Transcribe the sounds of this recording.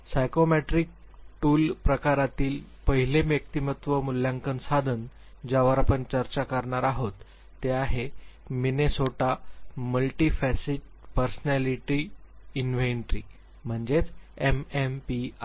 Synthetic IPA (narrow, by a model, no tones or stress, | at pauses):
sajkomeʈɾik̚ʈuːlpɾəkaɾat̪iːlpəɦilemjək̚t̪imət̪ʋəmuljãŋkənsad̪ʱən | d͡ʑaʋəɾapəɳt͡ɕəɾt͡ɕakəɾɳaɾaɦot̪ː | eaɦeminesoʈaməlʈifæsiʈ̚ | pəɾsnæliʈiinʋeɳʈɾḭː | m̤əɳd͡ʑet͡semempia